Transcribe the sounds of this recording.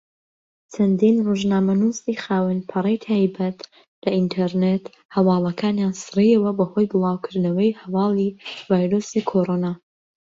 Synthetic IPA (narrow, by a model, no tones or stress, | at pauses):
t͡ʃʰɐnd̪inroʒnaːmɐnuːsiːxaːwɨnpʰɐɾejt̪ʰaːjbɐt̪ | lɐʔint̪ʰɛɾnet̪ | hɐwɑːlˠɐkʰaːnjaːnsɨriɐwɐbɐho̞jbɨlˠaːwkʰɨɾnɐwɐjhɐwɑːlˠivaːjɾoːsikʰoɾoːnaː